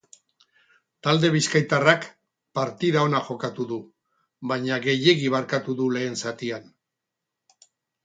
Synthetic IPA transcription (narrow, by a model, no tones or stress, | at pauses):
t̪ald̪e̞β̞iskajt̪arak | paɾt̪iðao̞naʝo̞kat̪uðu | βajɲaɣe̞je̞ɣiβ̞aɾkat̪uðule̞ːnsat̪ian